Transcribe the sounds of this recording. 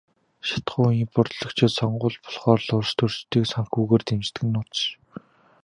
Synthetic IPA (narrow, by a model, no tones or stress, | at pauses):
ʃḁt̪ɢʊːimpʊrt̪ɮɞ̆kt͡ɕʰɪt̪sɔɴɢʊːɮpɔ̥ɮχɔːrɮʊrʃt̪ʰɵrt͡ɕt̪iːksaŋxuːɣeːrt̪emt͡ɕt̪ɘ̆ɘ̆nʊːt̪ʃ